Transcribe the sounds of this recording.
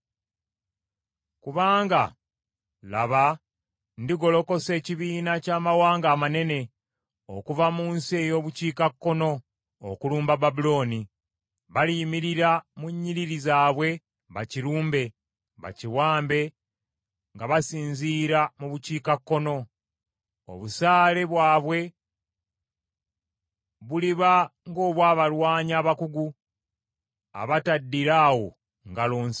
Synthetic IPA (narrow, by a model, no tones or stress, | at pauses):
kuβaːŋɡa | la̰βa | ndiɡo̞lo̞ko̞se̞ːciβiːnacaːmawaːŋɡaːmane̞ne̞ | o̰kuvamuːnsiejo̞ːβuciːkakːo̞no̞̰ː | kuluːmbababulo̞ːni | βalimiɾiɾamuɲːiɾiɾizaːβwe̞ | βaciɾuːmbe̞ | βa̰ciwaːmbe̞ | ŋɡaβasiːnziːɾamuβuciːkakːo̞no̞ | o̰βusaːle̞βwaːβwe̞ | βuliβaŋɡo̞ːβwaːβalwaːɲaːβakuɡu | a̰βatadːiɾaːwo̞ | ŋɡaloːns